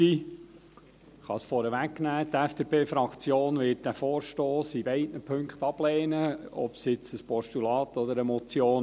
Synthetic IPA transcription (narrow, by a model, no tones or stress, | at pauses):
i | χɑsfɔɾəʋæknæːtɛfd̥epʰeːfɾɑkt͡sjoːnʋɪt̚d̥æfoːɾʃtoːsibɛɪdnəpʰɵŋkχt̪ɑb̥lɛːnəɔ̰psɪt͡səspɔʃtulɑːt̪ɔd̪əɾəmɔt͡sjoːn